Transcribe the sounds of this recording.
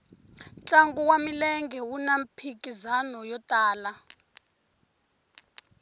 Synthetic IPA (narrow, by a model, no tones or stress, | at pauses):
t͡ɬʼaŋɡuwamilɛŋɡɛwunampʰikʼizanɔjɔtʼaːla